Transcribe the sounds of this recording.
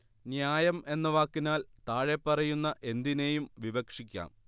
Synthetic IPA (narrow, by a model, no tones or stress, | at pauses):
njaːjɐme̞nːuʋaːkːinaːlt̪aːɻepːɐrɐjunːɐʔe̞nd̪ine̞ːjumʋiʋɐkʂikʲːa̰ːm